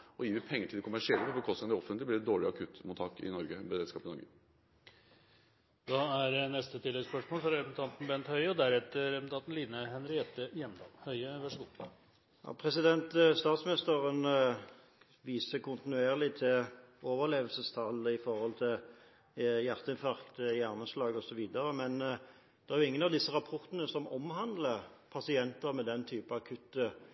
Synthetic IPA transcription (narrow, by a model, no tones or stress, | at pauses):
ɔjiːʋɪpʰɛŋːəʈʰɪlɛkʰʊmæʂɪɛləpʰɔbəkʰɔst̪ɪŋnɔfənlɪblɪɾd̪oːɭɪɑkʰʉt̪ːmʊt̪ʰːɑːkɪ̰nɔɾɡəbəɾeːd̪skɑːpɪnɔɾɡə | d̪ɑæɾɛnɛst̪ət̪ʰɪlːɛɡspœʂmoːlfɔɾɾɛmnt̪ʰɑnt̪n̩bɛnt̪hœʏɔd̪æɾɛt̪ːəɾɛmn̩t̪ʰɑnt̪n̩liːnəɦɛnɾɪɛt̪ːəjɛmd̪ɑ̰mhœʏəʋæʂɡuː | jɑ̰ːpʰʁɛsɪd̪ɛnt̪st̪ɑːt̪smnɪst̪əʁən | ʋiːsəkʰʊnt̪ɪnʉeːʁlɪt̪ʰɪlʔoːʋəʁleːʋəlsəst̪ʰɑlːəɪfɔɾhɔlt̪ʰɪl | jæʁt̪əɪnfɑʁkt̪əjæʁnəslɑːɡɔsɔʋiːd̪əɾəmɛn | d̪̥ɛæɾjʊɪŋːənɑʋd̪ɪsːəɾɑpʰɔɾt̪ənəsɔmɔmhɑnd̪ləpʰɑsɪɛnt̪əɾmɛd̪ɛnt̪ʰyːpəɑkʰʉt̪ːə